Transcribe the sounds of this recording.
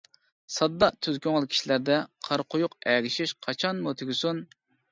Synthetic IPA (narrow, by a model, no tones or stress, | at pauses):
sɑd̪ːɑʔt̪ʰyzkʲʰøŋɪlˠkʲʰi̥ʃilæɾd̪ɛqʰɑɾqʰʊjʊqɛɡʲɪʃiʃqʰɑt͡ʃʰɑnmut̪ʰyɡʲɪsun